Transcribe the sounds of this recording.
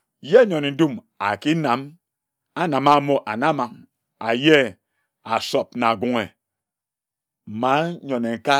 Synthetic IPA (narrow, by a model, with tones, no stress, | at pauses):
je˦ɲɔ˨ne˨n̩˦du˦m | a˨ki˦na˨˦m | a˦na˨ma˦mo˦ʔa˨na˦ma˨m | a˨je˦ | a˨sɔ˨p̚na˨ɡu˨ŋe˨ | m̩˨ma˦ɲɔ˨ne˨ŋ̩˨ka˦